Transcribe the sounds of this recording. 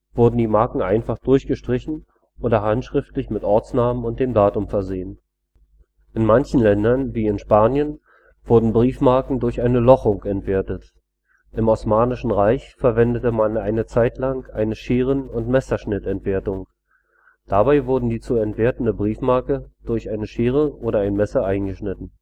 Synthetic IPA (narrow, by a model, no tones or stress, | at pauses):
v̥ʊɐdn̩diːmaɐkŋ̩ʔaɪnfaχd̥ʊɐçɡ̥əʃtʁ̥ɪçn̩ | oːdɐɦantʃʁ̥ɪftlɪçmɪtʔɔɐt͡snaːmənʊntd̥eːmdaːtʊmfɛɐzeːən | ʔɪnmançn̩lɛndɐnviːɪnʃpaːnjən | v̥ʊɐdn̩bʁiːfmaɐkŋ̩dʊɐçʔaɪnəlɔχʊŋkɛntv̥eːɐtət | ʔɪmɔsmaːnɪʃn̩ʁaɪçfɛɐvɛndətəmanʔaɪnət͡saɪtlaŋʔa̰ɪnəʃeːʁ̞ənʊntmɛsɐʃnɪtɛntv̥eːɐtʊŋ | d̥abaɪvʊɐdn̩diːt͡suɛntv̥eːɐtn̩dəbʁiːfmaɐkəd̥ʊɐçʔaɪnəʃeːʁ̞əʔoːɾɐaɪnəmɛsɐʔaɪnɡəʃnɪtn̩